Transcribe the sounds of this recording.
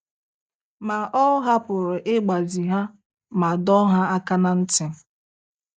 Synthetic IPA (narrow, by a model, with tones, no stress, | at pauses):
ma˨ʔɔ˦ɦa˦pʊ˨ɾɪ˨ʔɪ˦ɡ͡ba˨zi˨ɦa˦ | ma˨dɔ˦ɦa˦a˦ka˦na˦n̩˦tɪ˨˦